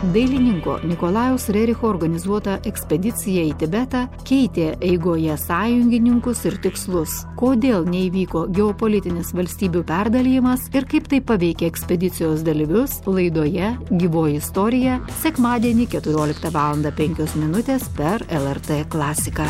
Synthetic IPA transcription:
d̪ɐɪlʲɪnʲɪŋko̰ːnʲɪkoːlˠɑːjɛʊsɾʲɛɾʲɪxoːɔɾɡɐnʲɪzuɔt̪ɐʔɛksʲpʲɛd̪ʲɪt̪sʲɪjɛiːt̪ʲɪbʲɛt̪ɑkʲɛɪt̪ʲeːʔɛɪɡoːjɛsɑːjʊŋʲɡʲɪnʲɪŋkʊsɪɾt̪ʲɪkslˠʊskoːd̪ʲeːlˠnʲɛiːʋʲiːkoːɡʲɛɔpolʲɪt̪ʲɪnʲɪsʋɐlʲsʲt̪ʲiːbʲuːpʲæɾd̪ɐlʲɪjɪmɐsɪɾkɐɪpt̪ɐɪpːɐʋʲɛɪkʲeːɛksʲpʲɛd̪ʲɪt̪sʲɪjoːsd̪ɐlʲiʋʲʊslˠɐɪd̪oːjɛɡʲiːʋoːjɪst̪ɔɾʲɪjɛsʲɛkmɑːd̪ʲiɛnʲɪkʲɛt̪ʊɾʲoːlʲɪkt̪ɐʋɑːlˠɐnd̪ɐpʲɛŋʲkʲoːsmʲɪnʊt̪ʲeːspʲɛɾɛlˠɛɾt̪ɛklˠɑːsʲɪkɑː

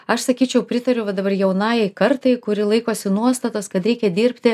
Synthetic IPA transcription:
ɐʃsɐkʲiːt͡ʃʲɛʊpʲɾʲɪt̪ɐɾʲʊʋɐd̪ɐbɐrjɛʊnɑːjɛɪkɐɾt̪ɐɪkʊɾʲɪlˠɐɪkoːsʲɪnuɔst̪ɐt̪ɐskɐt̪ɾʲɛɪkʲɛd̪ʲiːɾʲpʲt̪ʲɪ

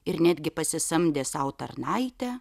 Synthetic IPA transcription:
ɪɾnʲæd̪ʲɡʲɪpɐsʲɪsɐmʲd̪ʲeːsɐʊt̪ɐrnɐɪt̪ʲɛ

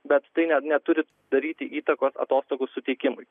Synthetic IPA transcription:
bʲɛt̪t̪ɐɪnʲɛnʲɛt̪ʊɾʲɪ | d̪ɐɾʲiːt̪ʲɪʔiːt̪ɐkoːsɐ̰t̪oːst̪oːɡʊssʊt̪ʲɛɪkʲɪmʊɪ

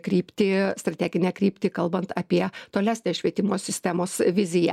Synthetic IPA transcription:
kɾʲiːpʲt̪ʲɪst̪ɾɐt̪ʲæːɡʲɪnʲɛkɾʲiːpʲt̪ʲɪkɐlˠbɐnt̪ɑpʲiɛt̪oːlʲæːsʲnʲeːsʃʲʋʲiɛt̪ʲɪmoːsʲɪsʲt̪ʲæmoːsʋʲɪzʲɪjɛ̰

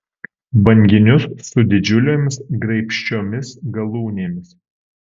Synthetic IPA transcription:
bɐŋʲɡʲɪnʲʊsːʊd̪ʲɪd͡ʒʲʊlʲeːmʲɪsɡɾɐɪpʲʃʲt͡ʃʲoːmʲɪsɡɐlˠuːnʲeːmʲɪs

